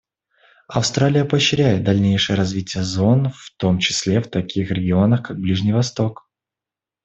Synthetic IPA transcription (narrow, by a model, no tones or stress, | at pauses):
ɐfst̪ɾalʲɪjəpəɕːɪɾʲæjɪt̪̚d̪ɐlʲnʲejʂɨjəɾɐzvʲitʲɪjəzo̞nft̪o̞mt͡ɕɪ̥sʲlʲeft̪ɐkʲixɾʲɪɡʲɪo̞nəxkaɡ̚blʲiʐnʲɪjvɐst̪o̞k